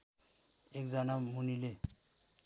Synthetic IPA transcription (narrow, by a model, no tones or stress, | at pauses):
ekd͡zanamunile